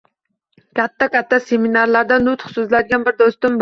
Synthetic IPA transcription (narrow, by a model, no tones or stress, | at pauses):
kʲɑt̪ʰːɛkʲɑt̪ʰːɛseminɑɾlˠɑɾd̪ɑnut̪χsuzlæd̪ɪɡʲɛnbɪɾd̪ost̪ʊmb